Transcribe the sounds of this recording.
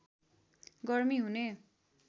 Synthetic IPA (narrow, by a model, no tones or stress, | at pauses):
ɡʌrmiɦune